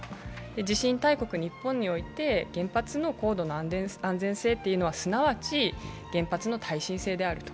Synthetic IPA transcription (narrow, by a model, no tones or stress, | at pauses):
d̪e̞d͡ʑiɕĩnt̪aiko̞kɯ̟ɲ̟ipːõ̞ɲ̟ːio̞it̪e̞ɡ̥ẽ̞mpat͡sɨno̞ko̞ːd̪o̞noãnd͡zẽɰ̃se̞ːt̪ːejɯ̟no̞βasɨnaβat͡ɕi | ɡ̥ẽ̞mpat͡sɨno̞t̪ʰaiɕĩse̞ːd̪e̞aɾɯ̟t̪o̥